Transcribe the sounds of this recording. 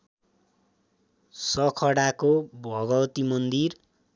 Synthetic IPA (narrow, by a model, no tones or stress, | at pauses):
sʌkʰʌɽakobʱʌɡʌwʌt̪imʌnd̪ir